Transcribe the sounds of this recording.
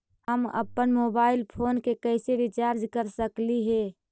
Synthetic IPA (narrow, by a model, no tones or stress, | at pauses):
həmə̰pːənmoːbaːɪlpʰoːnkekəɪseʋɪt͡ʃaːɾd͡ʒkəɾsəkliɦɛː